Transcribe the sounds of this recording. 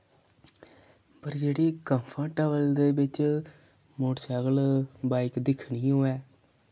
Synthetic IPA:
pəɾd͡ʒeːɽiːkə̃mpʰə̃ʈɛːʋəld̪eːbɪt͡ʃ | mʊɽt͡ʃəɡlbaːɪkd̪ɪkʰɳiːɦoːɛː

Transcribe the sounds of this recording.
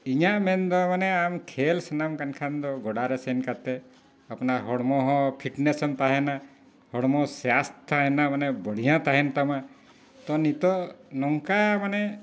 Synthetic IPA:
iɲaʔmɛnd̪ɔmanɛamkʰelsanamkankʰand̪ɔɡɔɽaɾɛsɛnkat̪ɛ | apnaɦɔɽmɔɦɔ̃pʰiʈnesɔmt̪aɦɛna | hɔɽmɔsjast̪aɦɛnamanɛbəɽ̤ijãt̪aɦɛnt̪ama | t̪ɔnit̪ɔnɔŋkamanɛ

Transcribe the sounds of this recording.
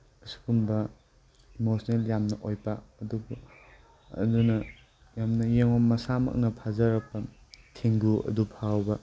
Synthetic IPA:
ɐsu̥kumbɐ | imosneljamnɐʔojpɐːdubu | ɐ̰dunɐ | jamnɐjeŋɔnmɐsamɐ̰k̚nɐpʰazɐɾɐk̚pɐ | tʰeŋɡuɐ̰dupʰawbɐ

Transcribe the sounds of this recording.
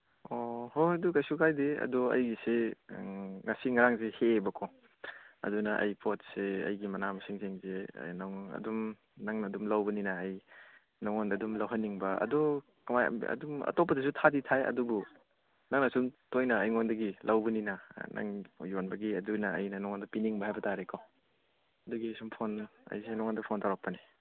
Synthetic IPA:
ohodukajsukʰajdeɐ̰dɔɐ̰jɡise | ŋɐsiŋɐɾaŋzehebɐkʰɔ | ɐ̰dunɐʔɐ̰jpʰot̚seɐ̰jɡimɐnamɐsiŋzeŋzḛnaŋɐ̰dum | naŋnɐːdumlawbɐninɐːj | nɔŋɔndɐdumlɐwɦɐnːiŋbɐɐ̰du | kamaj̰ɐ̰dumɐ̰top̬ːɐdɐsutʰaditʰajɐ̰dubu | naŋnɐsumtojnɐːjŋondɐɡilɐwbɐninɐnʔa̰ŋjonbɐɡiɐdunɐɐjnɐnɔŋɔndɐpiniŋbɐhajbɐtaɾeko | ɐduɡisumpʰonɐ̰jsenɔŋondɐpʰontawɾak̚pɐne

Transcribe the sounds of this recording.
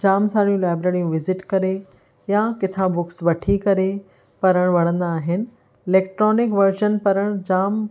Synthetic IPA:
d͡ʑaːmsaːɽijũlaːbɾeːɾijũʋɪzɪʈkɐɾe | jakɪt̪ʰãbʊksʋɐʈʰikɐɾe | pɐɾəɽ̃ʋɐɽ̃ə̃nd̪aːɦɪnɪ̆ | ɪleːk̚ʈɾɔːnɪkʋɐɾʃənpɐɾəɽ̃d͡ʑaːm

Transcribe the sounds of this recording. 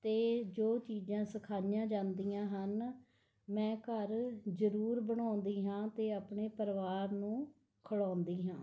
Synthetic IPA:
t̪eːd͡ʒoːt͡ʃiːd͡ʒãːsəkʰaːnjãːd͡ʒãːnd̪ijãːɦən | mɛ̃ːkəɾd͡ʒəɾuːɾbəɳãːnd̪iːɦãːt̪eːaːpɳeːpəɾʋaːɾnũː | kʰəɽaːnd̪iːɦãː

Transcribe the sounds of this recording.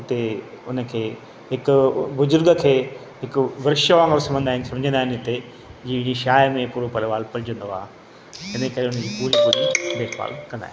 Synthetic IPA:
ɪt̪e | ʊnə̆kʰeː | ɦɪkʊbʊzʊɾɡəkʰeː | ɦɪkʊʋɐɾɪʃəʋãːŋɡəɾsɐ̃mbə̃nd̪aːɪ̃nsɐ̃md͡ʑʱə̃nd̪aːɦɪnɪt̪e | d͡ʑĩːɪɽ̃iʃaːjmẽpuːɾopɐlʋaːlpɐɾɪd͡ʑə̃nd̪oaː | t̪ɪnəkɐɾeʊnəd͡ʑiːpuːɾipuːɾibeːɾpa̰ːlkɐ̃nd̪a̰ːɦɪn

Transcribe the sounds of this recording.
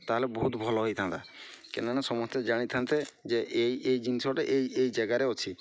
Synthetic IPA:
t̪aɦlebɔɦut̪bʱɔlɔɦojt̪ʰant̪akenañasɔmɔst̪ed͡ʒaɽ̃it̪ʰant̪ed͡ʒeʔeiejd͡ʒinisiwaʈeʔejejd͡ʒɛɡaɾeɔt͡ʃʰi

